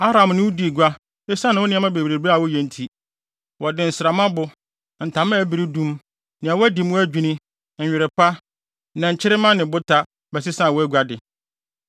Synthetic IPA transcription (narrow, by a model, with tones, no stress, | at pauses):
a˦ɾã˨mnɪ̃˦wʊ˦di˨ɡʷa˦ | e˦sã˦nɪ̃˨wʊ˦nɪ̃˦a˦mã˦be˨bɾe˨ba˦˨wʊ˦jɛ˨n̩˦tʰi˦ | wɔ˨dɪ̃˨n̩˨sɪ˨ɾa˨mã˦bʊ˨ | n̩˨tʰã˨˦mã˦æ˨bi˨ɾi˦dũ˦m | nɪ̃˨a˨wʊ˦æ˦di˨˦m˦æ˦d͡ʑᶣi˦nĩ˦˨ | ɪ˨ɾɪ˨pa˦ | nã˨ɲ̩˨t͡ɕʰɪ˦ɾɪ˦mã˦nɪ̃˨bʊ˦tʰa˦ | bɛ˨s̬ɪ˦sã˦˨wɔ˦æ˦ɡʷa˦dɪ˨